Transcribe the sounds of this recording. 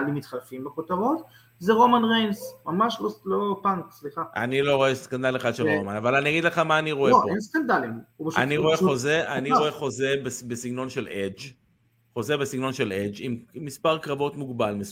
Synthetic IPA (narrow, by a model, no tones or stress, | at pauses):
limit̪χalfimbepot̪aʁot̪ | zeʁo̞manʁensmamaʃlolopaŋksliχaa̰niloʁo̞eskand̪aleχad̪ʃelʁomanavalanijaɡid̪leχamaːniʁo̞eoʔenskand̪alimubeʃaniʁo̞eχozeʔaniʁoeχo̞zebesbesiɡno̞nʃeled͡ʒ | χo̞zebesiɡno̞nʃeled͡ʒimmːispaʁkʁavo̞t̪muɡbalmes